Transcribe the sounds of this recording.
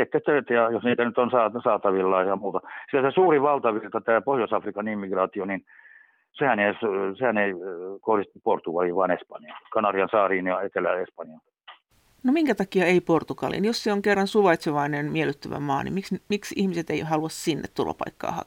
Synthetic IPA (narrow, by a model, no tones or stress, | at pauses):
et̪ːet̪ːøt̪jɑjosniːt̪ænyt̪onsɑːsɑːt̪ɑʋilːɑijɑmuːt̪ɑsilæsesuːriʋɑlt̪ɑʋirt̪ɑt̪æːpohjosɑfrikɑnimːiɡrɑːt̪ionin | sehænessehæneikohrist̪uport̪ukɑliʋɑːnespɑnjɑnkɑnɑriɑnsɑːriːnjɑet̪elæespɑnjɑntɑt̪ːɑ̥ | nomiŋkæt̪ɑkiɑeiport̪ukɑlḭnjosseoŋkerːɑnsuʋɑit̪seʋɑinenmielˑyt̪ːøʋæ̰mɑ̰ːnḭmiksmiksihmiset̪eihɑluɑssinːḛt̪t̪ulːɑ̰pɑ̰ikːɑ̰ːhɑ̰